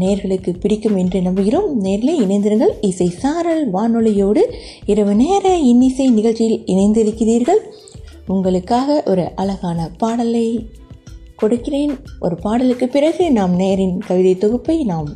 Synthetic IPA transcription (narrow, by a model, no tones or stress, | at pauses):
neːɾɣɐɭɯkːɯpɪɽɪkːɯmɛndrɯnɐmbɯɣɪromneːɾɪlɐɪɪnɐɪnd̪ɪɾɯŋɡɐɭɪsɐɪsaːɾɐlʋaːnɔlɐjoːɽɯ | ɪɾɐʋɯneːɾɐɪnːɪsɐɪnɪɣɐɭt͡ʃːɪjɪlɪnɐɪnd̪ɪɾɯkːɪriːɾɣɐɭ | ʊŋɡɐɭɯkːaːɣɐʔɔɾɯʔɐlɐɣaːnɐpaːɽɐlɐɪ | kɔɽɯkːɪreːnʔɔ̰ɾɯpaːɽɐlɯkːɯpːɪrɐɣɯnaːmneːɾɪnkɐʋɪðɐɪt̪ːɔɣɯpːɐɪnaːm